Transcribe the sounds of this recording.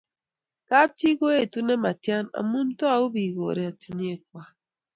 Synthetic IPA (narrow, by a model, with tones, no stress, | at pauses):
ka˦p̚ti˦ɡo˦e˦˨tu˦ne˦ma˨tja˦na̰˨mu˦n̩˦tɔ˦a˨u˦bi˨ɣo̰˨ɾe˨a˨ti˨ɲ˦e˦˨kwa˦